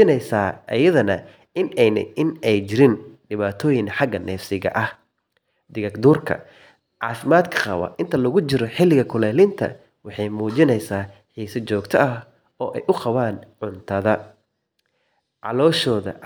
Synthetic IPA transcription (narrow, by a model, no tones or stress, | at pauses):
ɪnɛjsaːʔɐ̰jɐðɐnɐ | ɪnɛjnɐ̰ɪnɛjt͡ʃɪɾɪnɖɪβaːt̪ʰɔːjɪŋħɑɡɐnɛːfsɪɣɐ̰ʔɐh | d̪ɪɣɐɡd̪uːrkʰɐ̰ | ʕɑːfɪmaːd̪kʰɐ̥qɑ̰wɐ̰ʔɪnt̪ʰɐlɐɣʊt͡ʃɪɾɔħɪlɪɣɐkʰʊlɛːlɪnt̪ʰɐ̰ | wɑħɑjmuːt͡ʃɪnɛjsaːħiːsɐt͡ʃɔːɡt̪ʰɐʔɐ | ɔːʔɛjʔʊqɑβaːnʕʊnt̪ʰɐðɐ | ʕɑ̰lɔːʃɔːðɐ̰